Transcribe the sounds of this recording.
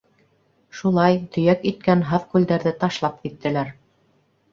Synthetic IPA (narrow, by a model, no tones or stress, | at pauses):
ʃulˠɑjt̪ɵ̆jækit̪̚kænɦɑðkʉld̪æɾðɘt̪ɑʃlˠɑp̚kit̪ːɘ̆læɾ